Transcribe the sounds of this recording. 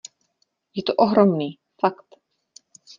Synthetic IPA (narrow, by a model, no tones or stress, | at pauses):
jɛt̪oʔoɦɾomniː | fakt̪